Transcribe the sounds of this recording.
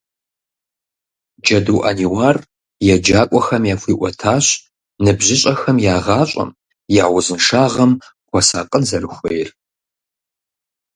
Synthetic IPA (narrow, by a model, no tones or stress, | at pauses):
d͡ʒɐduwʔa̰niwaːr | jɛd͡ʒaːkʷʼɔxɐmjaːfʷiːʔʷʼɔtʰaːɕ | nɨbʑɪɕʼɐxɐmjaːʁɑːɕʼɐ̰m | jaːwʊzɨnʂaːʁɐm | kʷʰɔsaːqʼənzɐrɨxʷejr